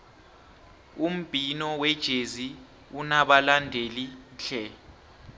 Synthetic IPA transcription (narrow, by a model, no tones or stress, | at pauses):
um̩b̥ʱinɔwɛd̥ʒ̥ʱezi | unaɓalandʱeliɬɛ